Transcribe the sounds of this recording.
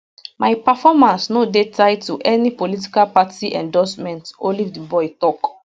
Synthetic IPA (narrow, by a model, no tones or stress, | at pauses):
maɪpafɔmãnsnodetaɪtuʔɛnipolit̬i̥kalpatiʔɛ̰̃ndɔsmɛ̃ntolivdibɔɪtɔk